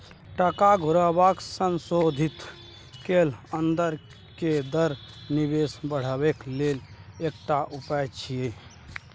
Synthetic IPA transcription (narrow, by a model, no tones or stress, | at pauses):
ʈəkaɡʱʊɾəbaksənsod̪ʱit̪ | kelənd̪əɾ | ked̪əɾnibesbəɽ̤əbeklelek̚ʈaʔupat͡ʃʰije